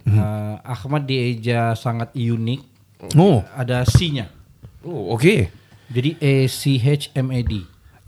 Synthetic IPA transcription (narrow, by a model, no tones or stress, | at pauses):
əaxmat̪̚died͡ʒasaŋat̪̚junɪk̚ | oadasiɲa | ooked͡ʒadiʔesiɦet͡ʃɛmedi